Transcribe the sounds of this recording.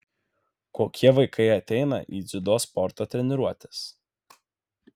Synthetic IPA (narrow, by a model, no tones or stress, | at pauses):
koːkʲiɛʋɐɪkʰɐɪɐt̪ʲɛɪnɐ̰ʔiːd̪zʲɪd̪oːspɔɾt̪oːt̪ʲɾʲɛnʲɪɾuɔt̪ʲe̥s